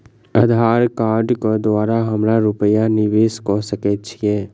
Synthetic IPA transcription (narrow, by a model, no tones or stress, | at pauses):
əd̪ʱaːɾkaːɾɖkod̪ʋaːɾaɦəmɾaɾʊpəjanɪʋeːskɔsəket͡ʃʰijɛː